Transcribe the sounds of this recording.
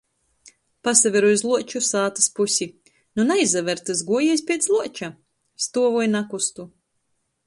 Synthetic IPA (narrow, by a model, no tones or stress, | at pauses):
pasavʲeɾujzlˠuɔt͡ʃusaːt̪aspusʲi | nunajzavʲɛɾt̪ɨzɡuɔjɛjsʲpʲiɛt̪zzlˠuɔt͡ʃa | st̪uɔvɔjnakust̪u